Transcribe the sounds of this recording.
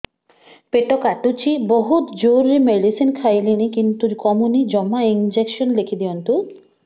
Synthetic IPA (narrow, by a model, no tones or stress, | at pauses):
peʈɔkaʈut͡ʃʰibɔɦut̪d͡ʒowɾːimeɖisinkʰajlinikint̪uɾkɔmunid͡ʒɔmaind͡ʒekʃɔnlekʰid̪ijɔnt̪u